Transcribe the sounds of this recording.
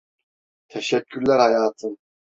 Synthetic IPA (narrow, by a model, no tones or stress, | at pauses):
t̪ʰæʃækʰʲːyɾlæɾhajaːt̪ʰɨn